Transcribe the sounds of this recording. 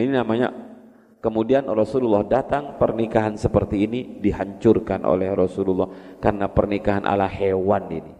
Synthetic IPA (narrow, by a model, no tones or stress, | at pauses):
ininamaɲa̰ | kəmudianrɔsululːɔhdat̪aŋpərnikaɦansəpərt̪iːnidiɦaɲt͡ʃʊrkanʔo̰lɛhrɔsululːɔhkarnapərnikaɦanʔa̰lahewanḭni